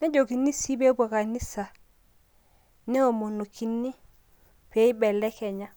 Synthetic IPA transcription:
ne˦d͡ʒo˨ki˨nːi˦si˦be˦ba˨ka˨ni˦sa˨ | nɛ˦o˨mo˨no˨kʰi˦nːi˦ | pe˨˦i˦bɛ˨lɛ˦ke˨ɲa˦

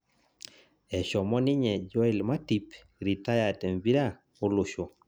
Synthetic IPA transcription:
ɛ˨ʃɔ˨mɔ˦nɪ˦ɲɛ˨d͡ʒɔ˦ɪ˨lma˦ti˨˦p | ɾi˨ta˦ja˨te˨mbi˦ɾa˦ | o˦lʊ˨ʃo˨

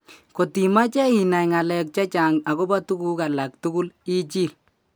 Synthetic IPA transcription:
ko˨ti˨ma˦t͡ʃɛ˦i˨na˨jŋa˨lɛ˨k̚t͡ʃa˦t͡ʃa˨ŋa˨ko˦ba˦tu˦ku˦ka˨la˨k̚tu˦ku˦li˦t͡ʃi˦˨l

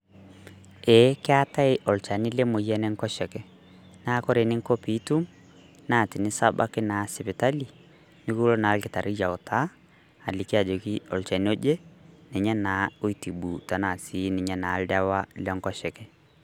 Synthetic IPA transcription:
ɛ˨˦kɪ˦a˦ta˦ɪ˦ʔɔ˨lt͡ʃa˨ni˦lɛ˦mo˨jɛ˦nɛ˦ŋkɔ˦ʃɛ˨kɛ˨ | na˦kɔ˦ɾe˨nɪ˦ŋko˦pi˦tu˦m | naː˦˨tɪ˨nɪ˦sa˦ba̰˦kɪ˦na˨sɪ˨pɪ˨ta˦li˨ | ni˦ku˦lo˦naː˨˦lkɪ˨ta˨ɾʔɪ˦ja˨ʊ˨ta˦ | a˨li˨ki˦a˨d͡ʒo˨ki˦ɔ˨lt͡ʃa˨ni˦o˦d͡ʒe˦nɛ˨ɲɛ˦na˨˦o˦i˦ti˨ɓu˨ta˨na˨si˨˦nɪ˨ɲɛ˦na˨˦lda˦wa˦lɛ˦ŋkɔ˦ʃɛ˨kɛ˨

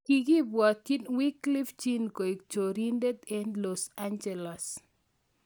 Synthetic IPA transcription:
ki˨ɡi˦bwɔ˨t̪i˦nwi˦kli˦ft͡ʃi˦nko˨i˨kt͡ʃo˨ɾi˦nde˦d̪ɛ˦nlɔsand͡ʒɛ˨las

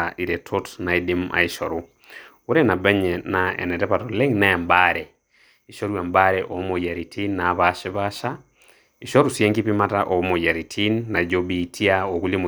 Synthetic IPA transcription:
aʔi˨ɾɛ˨tʰotna˨idimʔa̰˨iʃɔɾu | u˦ɾɛna˨bɛ˦ɲɛnaɛ̰˨nɛ˨tɛ˦patɔlɛ˦ŋnaa˨mbaɾɛ | i˨ʃɔ˦ɾwa˨mbaɾɛʔɔ˨˦mo˨ja˨ɾitʰi˦nːa˨βaʃi˦βaʃa | i˨ʃɔ˦ɾu˨sjɛ˦ŋɡipima˦taʔɔ˨mo˨ja˨ɾi˨tʰi˦nːa˨d͡ʒo˦bi˨tʰi˦aɔ˨ku˦limo˨

